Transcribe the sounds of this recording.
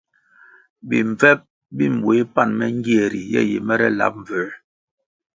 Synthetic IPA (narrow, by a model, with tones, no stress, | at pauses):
bi˨ɱ˨vɛ˦p̚ | bi˦m˨bwe˨˦pa˦˨nmɛ˦ŋ˦ɡi˦ɛ˨ɾi˨jɛ̰˦˨jḛ˨mɛ˦ɾɛ˦la̰˨˦p̚ɱ˨və˨˦